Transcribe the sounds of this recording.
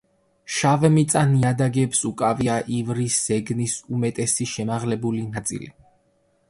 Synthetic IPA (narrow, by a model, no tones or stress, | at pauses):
ʃavɛmit̪sʼaniad̪aɡɛpsukʼaviaʔivɾisːɛɡnisumɛt̪ʼɛsiʃɛmaʁlɛbulinat̪sʼḭli